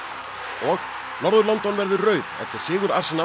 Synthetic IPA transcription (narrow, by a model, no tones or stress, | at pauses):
ɔx | nɔɾðʏɾlɔnt̪ɔnvɛɾðʏrœːɥðɛ̰ft̪ɪɾ̥sɪːɣʏɾaɾ̥sna